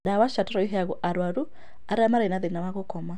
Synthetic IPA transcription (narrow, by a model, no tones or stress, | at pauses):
dawaʃataɾɔiɦɛaɣuʔaɾwaɾu | aɾeamaɾenaðenawaɣokɔma